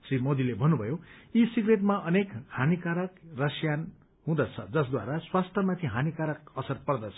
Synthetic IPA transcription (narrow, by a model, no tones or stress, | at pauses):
srimod̪ilebʱʌnːubʱʌjoisiɡreʈmaʔʌnekhanikaɾʌkrʌsjan | ɦũd̪ʌt͡sʰʌd͡zʌsd̪wa̰ɾaswast̪ʰʌmat̪ʰiɦanikaɾʌkʌsʌrpʌrd̪ʌt͡sʰʌ̥